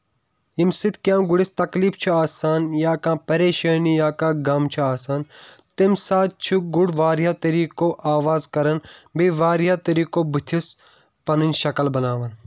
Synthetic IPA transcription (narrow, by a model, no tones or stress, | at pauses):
imsɪt̪kʲjãːɡʊɽist̪ɐkliːft͡ʃʰuaːsaːnjaːkãːpɐɾeːʃɐːnijaːkãːɡɐmt͡ʃʰuaːsaːnt̪imsaːt̪̚t͡ʃʰuɡʊɽʋaːɾɦaːt̪ɐɾiːkoːʔaːʋaːzkɐɾɐnbiʋaːɾjaːt̪ɐɾiːkoːbit̪ʰis | pɐnɨnʲʃɐkɐlbɐnaːʋɐn